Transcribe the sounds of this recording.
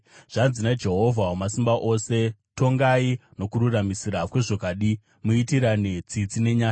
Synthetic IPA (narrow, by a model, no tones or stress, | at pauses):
ʐ̥anzinad͡ʒe̞ɦo̞vʱawamasimbaʔo̞se̞to̞ŋɡaino̞kuɾuramisiɾakwe̞ʐo̞kaːɗi | muitiɾanet͡sit͡sine̞ɲaːt͡ʃa